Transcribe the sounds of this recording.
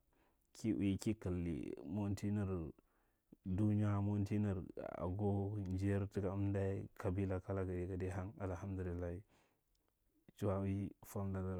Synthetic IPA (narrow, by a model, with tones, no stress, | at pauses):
kʰi˦ʔwi˨ki˦ka˨lːḭ˨mo˦n˦ti˦ni˦ɾ | du˦ɲ˦a˦mo˦n˦ti˦ni˨ɾa̰˨ɡo˦d͡ʒi˦ɾti˦ɡa˨˦m˦da˦i˦kʰa˨bi˦la˦ka˦la˦ɡa˨de˨ka˨de˦ɦa˦ŋa˨lha˦mdu˨li˨lːa˦hi˦ | t͡ʃu˦wa˦wi˦fa˦m˦da˨da˨